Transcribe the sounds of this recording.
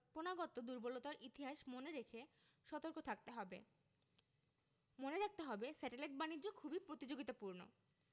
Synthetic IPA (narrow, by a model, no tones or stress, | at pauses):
ponaɡot̪od̪uɾbolot̪aɾʔit̪iɦaʃmoneɾekʰe | ʃɔt̪oɾkot̪ʰak̚t̪eɦɔbḛ | moneɾak̚t̪eɦɔbesɛʈeleʈ̚banid͡ʑokʰubipɾot̪id͡ʑoɡit̪apuɾno̰